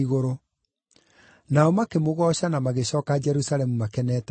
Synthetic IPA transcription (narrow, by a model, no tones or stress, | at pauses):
iɣoɾo | naɔmakemoɣɔːɕanamaɣeɕɔːkad͡ʑɛɾusaɾɛmumakɛnɛːta